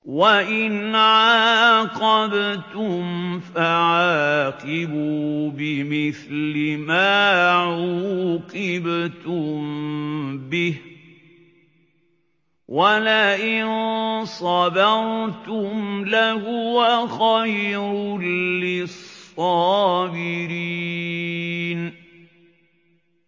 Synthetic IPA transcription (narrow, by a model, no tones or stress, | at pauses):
waʔɪnʕaːqɑbt̪ʊmfaʕaːqɪbuːbɪmɪθlɪmaːʕuqɪbt̪ʊm | bɪh | walaʔɪnsˤɑdɑɾt̪ʊmlahʊwaxajɾʊlːɪsˤɑːbɪɾi | n